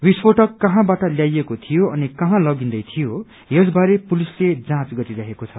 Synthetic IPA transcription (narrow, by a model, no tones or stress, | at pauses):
wispoʈʌkːʌɦãbaʈʌljajekot̪ʰijoʌnikʌɦãlʌɡind̪ʌjt̪ʰijo | jes̬baɾepulisled͡zãt͡sɡʌɾiɾʌɦekot͡sʰʌ